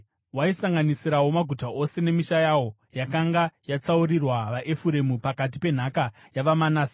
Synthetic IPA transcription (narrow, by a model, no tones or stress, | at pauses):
waisaŋɡanisiɾawo̞maɡʱutaʔo̞se̞ne̞miʃajaːwo̞ | jakaŋɡajat͡sauɾirwaʋaʔe̞fuɾe̞mupakat̬ipe̞n̤aka | jaʋamanaːsḁ